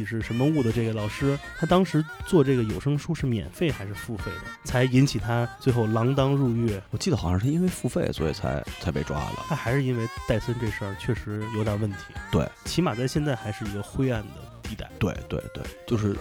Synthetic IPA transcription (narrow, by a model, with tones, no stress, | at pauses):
i˨˩ʂɻ̩˥˩ʂə˧˥nmə˧u˥˩d̪ə˩ʈ͡ʂɤ˥˩ɡə˩lɑ˨˩ʊʂɻ̩˥t̪ʰa˥t̪ɑ˥ŋʂɻ̩˧˥t͡swɔ˥˧ʈ͡ʂɤ˥˩ɡə˩jo˨˩ʊʂɤ˥ŋʂu˥ʂɻ̩˥˩mjɛ̰˨˩nfe˥˩ɪxa˧˥ɪʂɻ̩˥˧fu˥˧fe˥˩ɪd̪ə̰˩t͡sʰa˧˥ɪi˧˥nt͡ɕʰi˨˩t̪ʰa˥t͡swe˥˧ɪxo˥˩ʊlɑ˧˥ŋt̪ɑ˥ŋɻu˥˧ɥɛ˥˩wɔ˨˩t͡ɕi˥d̪ə˩xɑ˨˩ʂɑ̃˥˧˥ʂɻ̩˥˧i˥nwe˥˧ɪfu˥˧fe˥˩ɪswɔ̰˧˥ḭ˨˩t͡sʰa̰˧˥ɪt͡sʰa˧˥ɪpe˥˧ɪʈ͡ʂwa̰˥˩lə̰˨t̪ʰa˥xa˧˥ɪʂɻ̩˥˧i˥nwe˥˧ɪt̪a˥˩ɪswə˥nʈ͡ʂe˥˧ʂə˞˥˧t͡ɕʰɥɛ˥˩ʂɻ̩˧˥jo˧˥ʊt̪ə˨˩wə˥˩nt̪ʰi̥˧˥t̪wḛ˥˩ɪt͡ɕʰi˧˥ma˨˩t͡sa˥˧ɪɕjɛ˥˧nt͡sa˥˩ɪxa˧˥ɪʂɻ̩˥˩i˧˥ɡə˧xwe˥ɪa˥˩nd̪ə̰˩t̪i˧˥t̪a̰˥˩ɪt̪we˥˧ɪt̪we˥˧ɪt̪wḛ˥˩ɪt͡ɕjo˥˧ʊʂɻ̩˥˩